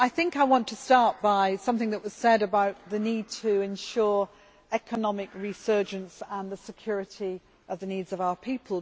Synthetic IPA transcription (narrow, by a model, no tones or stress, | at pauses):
aɪθɪ̃ŋkaɪwɒ̃ntʰəstɑɹʔ̚b̥aɪsʌ̃mθɪ̃ŋðəʔwʌz̥sɛɾəbaʊt̪̚ðɨniːd̚tʰəɪ̃nʃɔːɹ | ɛkʰənɒmɪkɹisɜ˞d͡ʒə̃ntsə̃nðəsɨkʰj̥ʊɹɪti | ʌvðəniːdzəvaʊə˞pʰiˑpʰəlˠ